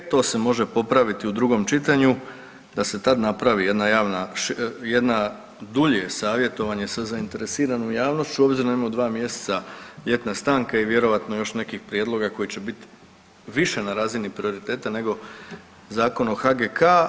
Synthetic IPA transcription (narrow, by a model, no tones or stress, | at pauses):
t̪o̞ːse̞mo̞ʒe̞po̞pɾaʋit̪iud̪ɾuɡo̞mt͡ʃit̪aɲu | d̪ase̞t̪ad̪napɾaʋije̞d̪najaːʋnaʃje̞d̪na | d̪uʎe̞saːʋje̞t̪o̞ʋaɲe̞sazaint̪e̞ɾesiːɾanomjaːʋno̞st͡ʃt͡ɕuo̞bziɾonaimamod̪ʋaːmje̞se̥t̪saʎe̞t̪nast̪aːŋkaiʋje̞ɾo̞ʋat̪no̞jo̞ʃne̞kixpɾjed̪lˠo̞ɡako̞jit͡ɕe̞bit̪ | ʋiʃe̞naɾaːzinipɾio̞ɾit̪e̞ːt̪ane̞ɡo̞ | zaːko̞noxaɡekʰa